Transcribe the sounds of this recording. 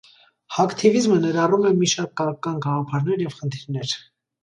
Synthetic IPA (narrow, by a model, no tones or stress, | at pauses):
hɑkt̪ʰivizmənɛɾɑrumɛmiʃɑɾkːɑɾkːɑnɡɑʁɑpʰɑɾnɛɾjɛvχənt̪ʰiɾnɛɾ